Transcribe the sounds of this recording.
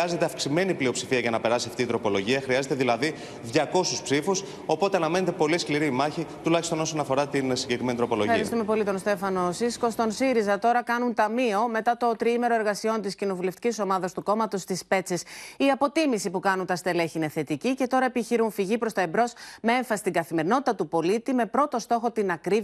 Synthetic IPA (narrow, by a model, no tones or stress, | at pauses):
ɐze̞t̪eɐfksime̞niplio̞psifiɐʝɐnɐpe̞ɾɐsiɐft̪iːt̪ɾo̞po̞lo̞ʝiɐxɾiɐze̞t̪e̞ðilɐði | ðʝɐko̞suspsifus | o̞po̞t̪eɐnɐme̞ne̞t̪e̞po̞liskliɾimɐçit̪ulɐçist̪o̞no̞so̞nɐfo̞ɾɐt̪insiɲɟekɾime̞nit̪ɾo̞po̞loɐɾist̪ume̞po̞lit̪o̞nst̪e̞fɐnosisko̞st̪o̞nsiɾizɐt̪o̞ɾɐkɐnunt̪ɐmio̞me̞t̪ɐt̪o̞t̪ɾiime̞ɾo̞eɾɣɐsio̞nt̪iscino̞vule̞ft̪i̥ciso̞mɐðɐst̪uko̞mɐt̪o̞st̪ispe̞t͡sesiɐpo̞t̪imisipukɐnunt̪ɐst̪e̞le̞çine̞θe̞t̪icice̞t̪o̞ɾɐepiçiɾunfiʝipɾo̞st̪ɐebɾo̞sme̞e̞ɱfɐsi̥st̪iŋɡɐθime̞ɾino̞t̪it̪ɐt̪upo̞lit̪ime̞pɾo̞t̪o̞st̪o̞xo̞t̪inɐkɾiv